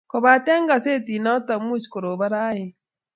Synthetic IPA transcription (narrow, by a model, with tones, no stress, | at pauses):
ko˨βa˨tɛ˦ŋɡa˨se˦ti˨na˦ta˨mu˦t͡ʃi̥˨ko˨ɾo˨βa˦ɾa˦je˨